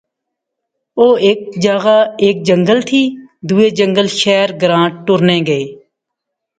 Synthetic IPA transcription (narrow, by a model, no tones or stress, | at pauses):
oːeːk̚d͡ʒaːɣaːeːk̚d͡ʒəŋɡəlt̪ʰiːd̪uːeːd͡ʒəŋɡəlʃɛːɾɡɾãːʈʈːʊɾneːɡəeː